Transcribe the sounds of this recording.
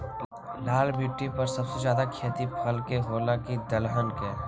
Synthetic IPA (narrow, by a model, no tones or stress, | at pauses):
laːlbiːʈːipɐɾsɐbsezjaːd̪akʰeːt̪ipʰɐlkeɦoːlakid̪ɐlɦənkɛː